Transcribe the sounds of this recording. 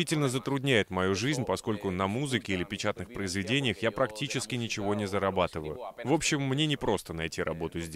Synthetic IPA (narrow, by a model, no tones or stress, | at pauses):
itʲɪlʲnəzət̪ɾʊdʲnʲæjɪt̪mɐjuʐɨzʲnʲpɐsko̞lʲkʊnɐmuzɨkʲɪilʲɪpʲɪt͡ɕat̪nɨxpɾəɪzvʲɪdʲenʲɪjəxjapɾɐktʲit͡ɕɪskʲɪnʲɪt͡ɕɪvo̞nʲɪzəɾɐbat̪ɨvəjʊvo̞pɕːɪmːnʲenʲɪpɾo̞st̪ənɐjtʲiɾɐ̰bo̞t̪ʊzʲdʲ